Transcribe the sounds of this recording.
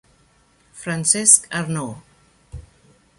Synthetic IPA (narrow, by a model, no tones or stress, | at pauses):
fɾansɛskaɾno